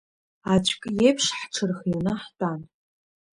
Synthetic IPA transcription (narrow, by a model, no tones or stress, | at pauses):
at͡ɕʷʰʼkʼjejpʰʂħʈ͡ʂʰɨrχjinɨħtʼan